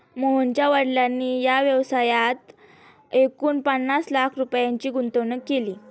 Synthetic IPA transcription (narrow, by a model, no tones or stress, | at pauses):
moɦunt͡ɕjaʋəɽljanːiːjaʋjəʋsajat̪ | ekuːnpənːaslakʰɾupjaɲt͡ɕiːɡunt̪onəkːeliː